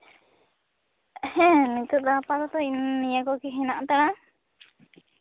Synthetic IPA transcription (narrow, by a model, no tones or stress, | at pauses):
hɛ̃nit̪ud̪apat̪ɔt̪ɔinːijakɔkiɦɛnaʔt̪aɽa